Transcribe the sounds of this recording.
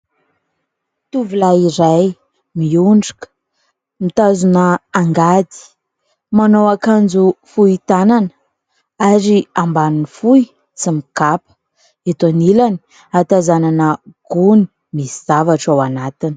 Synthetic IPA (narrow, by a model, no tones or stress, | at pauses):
t̪uvulaiɾaj | miuɳɖ͡ʐi̥kə̥ | mit̪azunəaŋɡad̪i̥ | manoakand͡zufuit̪ananə̥ | aɾiambanunifui | t͡simikapə̥ | et̪onilani̥ | at̪azananəɡ̥uni̥ | misiz̥avaʈ͡ʂawanat̪ini̥